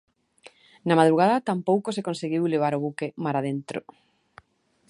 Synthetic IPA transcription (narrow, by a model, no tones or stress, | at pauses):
namað̞ɾuɣ̞aðɐt̪ampowkosekonseɣiwleβ̞aɾoβ̞ukemaɾaðent̪ɾo̰